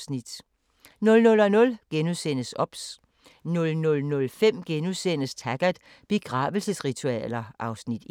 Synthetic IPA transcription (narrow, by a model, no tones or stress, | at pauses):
nid̥ | nɔ̽lnɔ̽lɒ̽nɔ̽lɡ̥enusen̰əsɒ̽b̥s | nɔ̽lnɔ̽lnɔ̽lfem̰ɡ̥enusen̰əst͡sʰæɡ̥æ̥ | b̥e̝ɡ̥ʁɑ̰̈ːʋəl̩səsʁit͡sʰuɛ̰ːlɐʔɑ̈ʊsnid̥